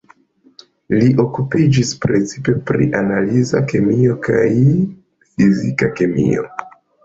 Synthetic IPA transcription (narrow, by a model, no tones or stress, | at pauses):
liʔo̞kupid͡ʒispɾet͡sipe̞pɾḭʔanalizake̞mio̞kaj | fizikakemḭo̞̰